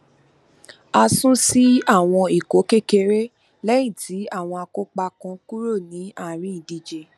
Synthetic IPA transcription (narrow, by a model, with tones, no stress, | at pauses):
a˧sũ˦si˦a˦˨w̃ɔ̃˧i˨ko˨˦ke˦ke˧ɾe˦ | lɛ˦j̃ĩ˦˨tʰi˨˦a˦˨w̃ɔ̃˧a˧ko˦k͡pa˧kɔ̃˧ku˦ɾo˦˨nĩ˨˦a˦˨ɾ̃ĩ˨˦i˨di˨d͡ʒe˨